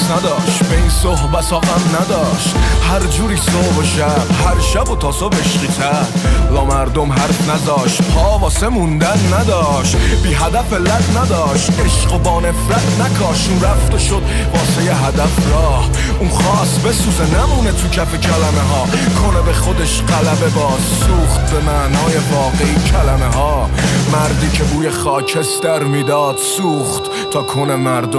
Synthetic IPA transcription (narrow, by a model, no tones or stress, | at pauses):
snæd̪ɒːʃt̪beinsoɦbæsɒːɣæmnæd̪ɒːʃt̪hæɾd͡ʒuːɾiːsohboʃæɾhæɾʃæbot̪ʰɒːsobe̞ʃqiːt̪ʰæɾdɒːmæɾd̪omɦæɾfnæzɒːʃt̪pʰɒːbɒːsemund̪ænːæd̪ɒːʃt̪biːɦæd̪æfelædnæd̪ɒːʃt̪eʃqobɒːnefɾæt̪ʰnækʰɒːʃunɾæft̪eʃo̞d̪̥ | vɒːsejeɦæd̪æfɾɒːh | unχɒːsbe̞suːzenæmuːnet̪ʰucʰæpecʰælæmeɦɒː | kʰo̞nebeχod̪eʃɢælæbebɒːssuːχt̪bemænɒːjevɒːɣeiːcʰælæmeɦɒːmæɾd̪iːcʰebuːjeχɒːcʰest̪æɾmiːd̪ɒːd̪̥suːχt̪ʰːɒːkʰo̞nemæɾd̪o